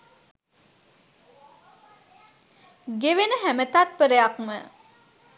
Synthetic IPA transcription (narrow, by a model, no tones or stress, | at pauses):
ɡeʋenəɦæmət̪at̪̚pəɾəjakmə